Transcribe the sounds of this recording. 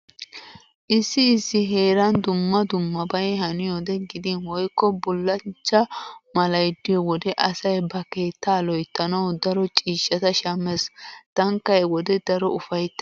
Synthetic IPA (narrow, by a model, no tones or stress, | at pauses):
ʔɪsːɪːsːɪɦe̞ːɾɐnd̪ʊmːɐd̪ʊmːɐbɐjhɐnɪjɔd̪ɛɡɪd̪ɪnwɔjkːɔbʊlːɐnt͡ʃːɐmɐlɐjd̪ːɪwɔd̪ɛʔɐsɐjbɐke̞ːt̪ːaːlɔjt̪ːɐnɐwd̪ɐɾɔt͡ʃʼiːʃːɐt̪ɐʃɐmɛst̪ɐŋkːɐjwɔd̪ɛd̪ɐɾɔʊfɐjt̪ː